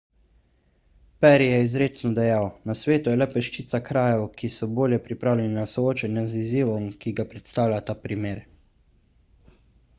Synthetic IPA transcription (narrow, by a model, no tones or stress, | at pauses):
pɛɾijɛizɾeːt̪snɔd̪ɛjawnasʋeːt̪ujɛlɛpɛʃt͡ʃit̪sakɾaːjɛwkisɔboːljɛpɾipɾaːwlʲɛninasɔoːt͡ʃɛnjaziziːʋɔmkiɡapɾɛt̪st̪aːwlʲat̪aːpɾimeːɾ